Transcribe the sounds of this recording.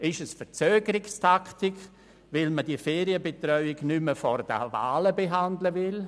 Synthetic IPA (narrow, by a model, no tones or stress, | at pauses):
ɪʃəsfət͡søːɡ̥əɾɪkstʰaktɪk | ʋɪlməd̥iəfeːɾiəbetrœʏɪɡnyməfɔɾd̥ə̰va̰ːləbeɦandləvɪl